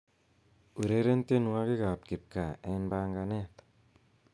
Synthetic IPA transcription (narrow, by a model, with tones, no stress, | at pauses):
u˨ɾe˦ɾe˦nte˦nwa˦ki˦ka˨p̚ki˨p̚ka˨enbaːŋɡanɛ˦t̪